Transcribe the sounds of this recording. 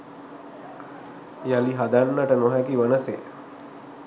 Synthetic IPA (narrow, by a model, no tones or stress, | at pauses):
jaliɦad̪anːəʈənoɦækiʋənəse